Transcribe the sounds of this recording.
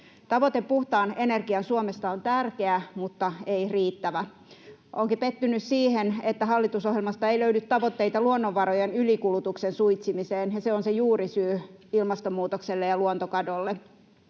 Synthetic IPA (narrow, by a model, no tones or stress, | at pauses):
t̪ɑʋot̪eppuht̪ɑːnenerɡiɑnsuomest̪ɑont̪ærke̞æmut̪ːɑeiriːt̪ːæʋæ | ʔoŋkipet̪ːynyssiːhenet̪ːæɦɑlːit̪usohjelmɑst̪ɑeiløynyt̪tɑʋot̪ːeit̪ɑluonːoʋːɑrojenylikulut̪uksensujt̪simiseːnjɑseonsejuːrisyːilmɑst̪omːuːt̪okselːejɑluont̪okɑdolːe